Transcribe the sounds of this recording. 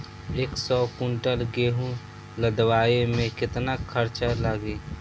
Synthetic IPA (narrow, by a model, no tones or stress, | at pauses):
eːksɔːkʊ̃ɳʈəlɡeːɦũ | ləd̪waːemẽkɪt̪nakʰəɾt͡ʃalaɡeː